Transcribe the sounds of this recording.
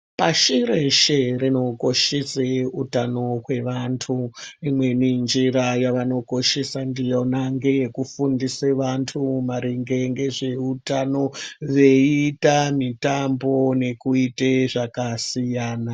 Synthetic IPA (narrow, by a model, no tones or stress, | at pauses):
paʃiɾeʃerino̞ko̞ʃeseutano̞ɦwe̞ʋantʰuimwe̞nind͡ʒiɾajaʋano̞ko̞ʃesandijonaŋɡejekufundiseʋantʰumaɾiŋɡe̞ŋɡe̞ʐe̞utano̞ʋe̞itamitambo̞ne̞kuiteʐakasijaːna